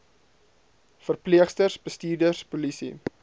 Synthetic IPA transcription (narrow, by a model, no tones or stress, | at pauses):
fərpliəχstərsbəstiːrdərspulisḭ